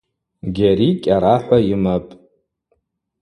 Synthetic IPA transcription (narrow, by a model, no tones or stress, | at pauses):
ɡʲaɾikʲʼaɾaħʷaimapʼ